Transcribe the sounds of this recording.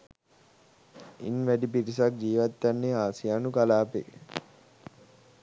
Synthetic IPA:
ḭnʋæɖipiɾis̬ak̚d͡ʒiːʋat̪ːjanːeaːsijaːnukalaːpḛ

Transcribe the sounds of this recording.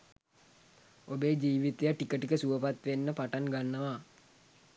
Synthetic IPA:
obeːd͡ʒiːʋit̪ejaʈikəʈikəsuʋəpat̪ʋenːəpaʈaŋɡanːəʋa

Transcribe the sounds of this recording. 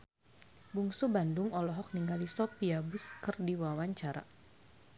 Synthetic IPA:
buŋsubandʊŋɔlɔɦɔk̚niŋɡalisɔpiabuskɨrdiwawaɲt͡ʃaɾa̰

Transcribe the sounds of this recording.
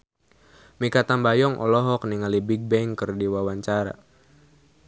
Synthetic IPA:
mikat̪ambajɔŋʔɔ̰lɔɦɔk̚niŋalibiɡ̚bɛŋkərdiwawaɲt͡ʃaɾa̰

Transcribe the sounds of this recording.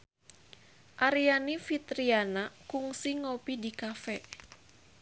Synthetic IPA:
ʔaɾianifit̪ɾianakuŋsiŋopidikafɛ

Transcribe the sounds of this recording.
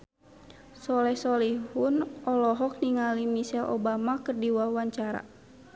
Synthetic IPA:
sɔlɛhsɔlihunɔlɔɦɔk̚niŋalimisɛlʔɔ̰bamakərdiwawaɲt͡ʃaɾa̰

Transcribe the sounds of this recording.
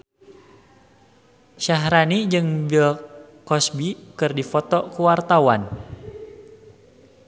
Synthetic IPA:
ʃaɦɾanid͡ʒɨŋbilkɔsbikɨrdifɔt̪ɔkuwart̪awan

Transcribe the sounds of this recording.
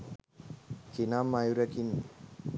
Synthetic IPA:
kʰinamajɾakʰin

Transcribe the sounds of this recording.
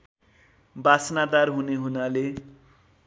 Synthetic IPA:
basnad̪arɦuneɦunale

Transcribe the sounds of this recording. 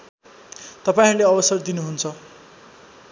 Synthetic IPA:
t̪ʌpaĩɾuleʌbʌsʌrd̪inuɦunt͡sʰʌ

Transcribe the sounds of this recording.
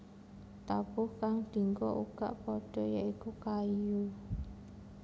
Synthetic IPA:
t̪ab̥ʊhkaŋd̪̥i̤ŋɡɔ̰ʔuɡ̥a̰ʔpɔɖ̥ɔ̤jaʔikukaju

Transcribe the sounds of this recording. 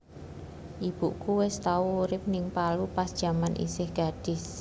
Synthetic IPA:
ʔib̥uʔkuwɪst̪auːɾɪp̚nɪŋpalupasd̥ʒ̥a̤manʔḭsɪhɡ̥a̤d̥ɪs

